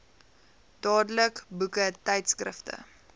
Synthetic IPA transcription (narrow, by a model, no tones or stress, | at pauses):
d̥ɑːdələkbukətɛjtskrə̰ftə̰